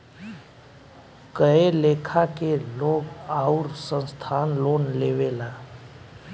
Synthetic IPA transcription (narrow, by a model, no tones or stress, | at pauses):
kəɦeleːkʰakeloːɡaːʊɾsə̃nst̪ʰaːnloːnleːʋelaː